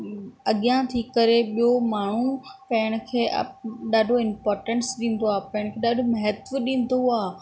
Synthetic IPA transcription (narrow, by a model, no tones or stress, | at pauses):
ɐɠijãt̪ʰikɐɾeɓijomaːɳ̤upɐ̃ɦɪɽ̃ə̆kʰeːɐ̰ɗaːɖʱoɪmpɔːɾʈə̃ɳsɗĩːn̆d̪oaːpɐɦɪ̃ɽ̃kʰeːɗaːɖʱomɐɦət̪ʋəɗĩːn̆d̪oaː